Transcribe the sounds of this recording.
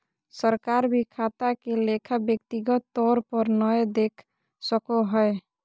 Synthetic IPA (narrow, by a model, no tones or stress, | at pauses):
səɾkaɾbʱikʰat̪akelekʰabjəkt̪iɡɔt̪ːɔɾpɔɾnɔjd̪ekʰ | səkɔɦɔe